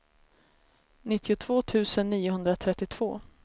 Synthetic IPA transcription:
nɪt̪ːɪʊt̪ʰv̥oːt̪ʰʉ̟ːsənːiːʊɦɵnd̪ɾat̪ʰɾɛt̪ːɪt̪ʰv̥o̰ː

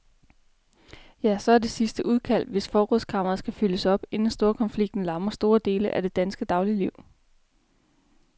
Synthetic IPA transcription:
jæsɒ̽æɐd̥e̝sisd̥əʔuð̞ˠkʰæl̰ʋe̝sfɒːʁɔð̰ˠskʰɑ̈m̰ɐɐð̩ˠsɡ̥æfyləsɒ̽b̥e̝nn̩sd̥o̝ːɐkʰɒ̽nfliɡ̥̚d̥n̩lɑ̈mɐsd̥o̝ːɐd̥e̝ːləʔæd̥e̝d̥ænsɡ̥əd̥ɑ̈ʊliliʊ̰

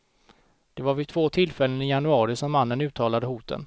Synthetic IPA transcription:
d̪̥ɛvaɾvɪt̪ʰv̥oːt̪ʰɪlfɛlːənɪjanɵɑːɾɪsɔmːanːənʉ̟ːt̪ʰːɑːlad̪əhuːt̪ʰə̰n

